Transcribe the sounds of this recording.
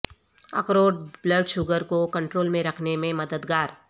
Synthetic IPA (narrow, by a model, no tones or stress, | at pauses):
ɐ̰kɾoːɖ̚bləɖʃʊɡəɾkokɐ̃ɳʈɾoːlmẽɾɐkʰnemẽmɐd̪əd̪ɡaːɾ